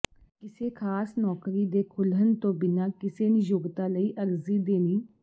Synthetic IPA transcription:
kɪseːkʰaːsnɔːkɾiːd̪eːkʰʊlɦənt̪õːbɪnaːkɪseːnĩːjʊɡt̪aːləiːʔəɾziːd̪eːniː

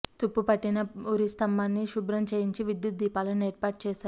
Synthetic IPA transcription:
t̪upːupɐʈːinɐuɾist̪ɐmbaːnːiʃubɾɐmt͡ʃejiɲt͡ʃiʋid̪jut̪̚d̪ʱiːpaːlɐneːɾpaːʈ̚t͡ʃɛːʃaːɾu

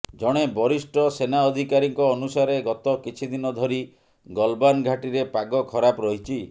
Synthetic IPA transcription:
d͡ʒɔɽ̃ebɔɾisʈɔsenaɔd̪ʱikaɾiŋkɔːnusaɾeɡɔt̪ɔkit͡ʃʰid̪inɔd̪ʱɔɾi | ɡɔlbanɡʱaʈiɾepaɡɔkʰɔɾapɔɾɔɦit͡ʃʰi

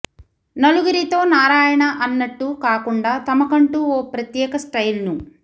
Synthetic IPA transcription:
nɐluɡuɾit̪o̞ːnaːɾaːjɐɳɐʔɐnːɐʈːukaːkuɳɖaːt̪ɐmɐkɐɳʈuɔːpɾɐt̪jɛːkɐsʈɐjlnu

